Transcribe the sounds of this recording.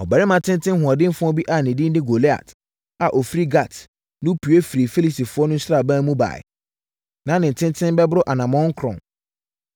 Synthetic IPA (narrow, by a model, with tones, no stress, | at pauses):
ɔ˨bæ˨ɾɪ˦mã˨tʰɪ̃˦n˦tʰɪ̃˦n˦hʊ̃˨a˨dɪ̃˦m˦fʊ̃˦ɔ˦bi˦ʔa˨nɪ̃˨dɪ̃˦n˦dɪ̃˦ɡo˨le˦a̰˨t | a˨ʔɔ˨fɾi˦ɡa˨t | nʊ̃˦pʰu˨e˦fi˨ɾi˨fe˦li˦˨si˨fʊ˨˦ɔ˦nʊ̃˦ɲ̩˦sɾa˦˨bã˦mũ˦ba̰˨ɪ̰˨ | nã˨˦nɪ̃˨n̩˨tʰɪ̃˦n˦tʰɪ̃˦m˦bɛ˦bʊ˦ɾʊ˦ʔa˨nã˨mɔ̃˦ŋ˦kʰɾɔ̰̃˨n